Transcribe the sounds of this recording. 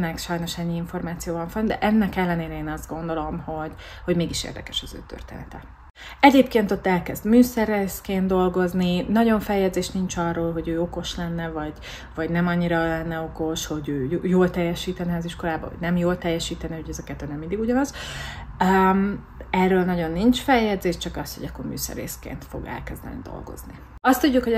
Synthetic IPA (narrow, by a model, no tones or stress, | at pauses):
nɛkʃɒjno̞ʃɛɲːiiɱfo̞rmaːt̪sijoːvɒɱfɒmd̪ɛ̰ʔɛnːɛkɛlːɛneːɾɛeːnɒzd̪̚ɡo̞nd̪o̞lo̞mho̞ɟ | ho̞ɟmeːɡiʃḛrd̪ɛ̰kɛ̥ʃɒzø̰ːt̪ø̰rt̪ḛːnɛt̪ɛ | ɛɟeːp̚keːnt̪o̞t̪ːɛlkɛzd̪myːsɛɾɛskeːnd̪d̪o̞lɡo̞zninɒɟo̞ɱfɛjːɛd̪zeːʃnint͡ʃɒrːoːlɦo̞ɟøːo̞ko̞ʃlɛnːɛvɒɟ | vɒɟnɛmɒɲːiɾɒlɛnːɛo̞ko̞ʃho̞ɟøːjjoːlt̪ɛjːɛʃiːt̪ɛnɛɒziʃko̞laːbɒ̰ɦoɟ̚nɛmjoːlt̪ɛjːɛʃiːt̪ɛnɛuɟɛzɛkɛt̪ːøːnɛmːind̪iɡuɟɒnɒz | øm | ɛrːøːlnɒɟo̞nːint͡ʃfɛjːɛd̪zeːʃt͡ʃɒkɒst̪ho̞̰ɟɒkːo̞̰rmy̰ːsɛ̰rːḛːskḛːnt̪fo̰ɡɛ̰lkɛzd̪ɛ̰nḭd̪o̞̰lɡo̞̰zni | ɒst̪uɟːukho